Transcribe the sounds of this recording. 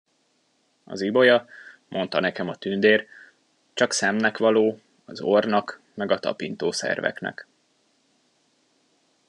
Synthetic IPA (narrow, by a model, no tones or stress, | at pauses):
ɒ̰zibo̞jɒ | mʔo̞nt̪ɒnɛkɛmɒt̪ynd̪eːr | t͡ʃɒksɛmnɛkʋɒloː | ɒzornɒk | mɛɡɒt̪ɒ̰pint̪oːsɛ̰rvɛ̰knɛ̰k